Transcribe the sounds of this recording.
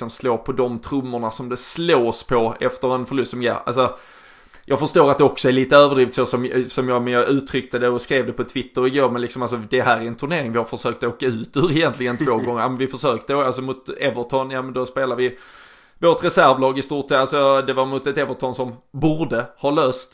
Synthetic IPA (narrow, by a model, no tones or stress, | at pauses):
sɔmsloːpʰɔd̪ɔmt̪ʰɾɵmːʊɳasɔmd̪ɛsloːspʰɔɛ̰ft̪əɾɛnfœɭɵst̪sɔmɡɛ̰ːa̰lsɔ | jʔɑːɡfəʂt̪oːɾat̪̚d̪ɛɔksɔæɭiːt̪əøːvədɾiːft̪sɔsɔmsɔmjɑmɛnjɑɡʔʉ̟ːt̪ʰɾʏk̚t̪əd̪ɛɔskɾeːvd̪ɛpʰɔt̪ʰvɪt̪ːəɾɪɡoːɾmɛnlɪksɔmals̬ɔd̪ɛɦæːɾæɾɛnt̪ʰɵɳeːɾɪŋvɪhaɾfəʂøːkt̪ɔoːkaʉ̟ːt̪ʉ̟ːɾɪjɛnt̪lɪɡənt̪ʰvoːɡɔŋːəɾjɑːmɛnvɪfəʂøːk̚t̪əals̬ɔmʊt̪ɛvəʈʰɔnjɑːmənd̪ɔspeːlavɪ | voʈɾɛsæɾvlɑːɡɪst̪uːʈsɛalsɔd̪ɛvaɾmʊt̪ɛt̪ɛvəʈ̪ʰɔnsɔmbuːɾdəhɑːløːst̪